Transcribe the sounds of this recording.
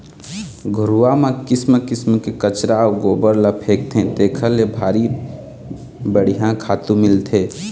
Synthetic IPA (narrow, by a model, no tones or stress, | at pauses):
ɡʱʊɾuamãkɪsməkɪsmkekət͡ʃɾaːwɡoːbəɾləpʰeːk̚t̪ʰẽt̪eːkʰəlːebʱaːɾi | bəɽ̤ijãkʰaːt̪ũmɪlt̪ʰeː